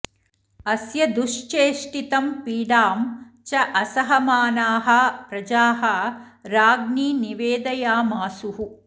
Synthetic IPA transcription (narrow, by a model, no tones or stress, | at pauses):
ɐsjɐd̪uʂt͡ʃeːʂʈit̪ɐmpiːɖaːm | t͡ʃɐʔɐsɐɦɐmaːnaːɦɐpɾɐd͡ʒaːɦɐ | ɾaːɡniːniʋeːd̪ɐjaːmaːsuɦu